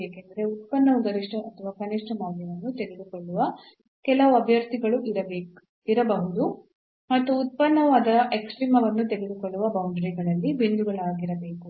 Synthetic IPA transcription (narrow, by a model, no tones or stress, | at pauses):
eːkend̪ɐɾe̞ut̪̚pɐnːɐʋuɡ̪ɐɾiʂʈɐɐt̪ʰɐʋaːkɐniʂʈɐmaːljɐʋɐnːut̪eɡed̪ukoɭːuʋɐ | kɛlɐʋuɐbʱjɐɾt̪iɡɐɭuʔiɾɐbeː | iɾɐbɐɦud̪u | mɐt̪ːuːt̪̚pɐnːɐʋaːd̪ɐʔeksʈɾiːmɐʋɐnːut̪eɡed̪ukoɭːuʋɐbɐwɳɖɾiɡɐɭɐlːibind̪uɡɐɭaːɡiɾɐbe̞ːku